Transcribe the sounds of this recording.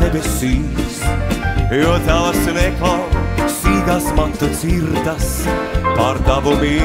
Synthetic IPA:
ebesiːs | jɔːd̪zælasnɛklˠasiːɡasmant̪ut̪siɾd̪aspaɾd̪avumi

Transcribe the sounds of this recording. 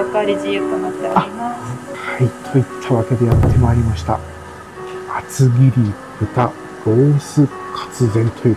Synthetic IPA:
aɾikanat̪ːeaimakhait̪ʰo̞it̪ʰːaβake̞d̪e̞jat̪ʰːe̞maːɾʲimaɕi̥t̪a̰ | at͡sɨɡʲiɾʲi | b̥ɯ̟t̪a | ɡ̥o̞ːsɨ | kʰḁt͡sɨzẽ̞nt̪ʰojɯ̟

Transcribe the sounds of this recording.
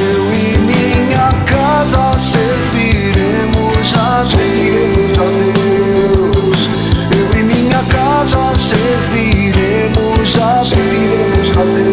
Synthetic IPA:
ewimiɲɐka | zɐse | viɾe | mʊza | zi | ezaðe | s | ewĩmĩɲɐka | zɐseɾviɾe | mʊza | zvi | eza | e

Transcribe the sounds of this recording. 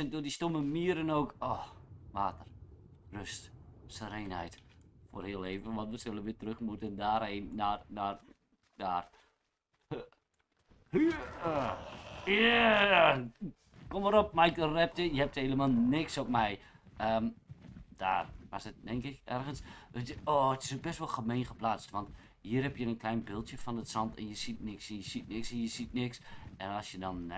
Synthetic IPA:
ɛndoːdistoməmiəɾənoːkoʋaːtər | røstsəɾenhɛ̰jtfo̰ːrhiːəlˠeːvənʋɑntʋəsølənʋɪtrøxmutəndaːreːnːarnar | daːr | h | ja | koməɾop̚maɪk̚dərɛp̚təjəhɛp̚theləmalˠnɪksɔp̚mɛjʔəmd̥a̰ːrʋasət̚dɛŋkɪkɛ̰rɣəns | oːətɪ̥sok̚bɪstʋolˠxəmeːnxəplaːt͡stʋɑnt | hiːərhɛpjənənkʰlɛjnbɪlˠtjəfɔnətsɑntɛ̰njəsit̚nɪksɛnjəsit̚nɪksɛnjəsitnɪksɛnɔsjədɔn

